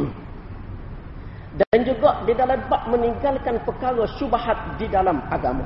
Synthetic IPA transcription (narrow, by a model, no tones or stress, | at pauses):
dnd͡ʒuɡaʔdidalabaʔmə̃niŋɡalkanpəkaɾəʃubahat̪̚didalamaɡama̰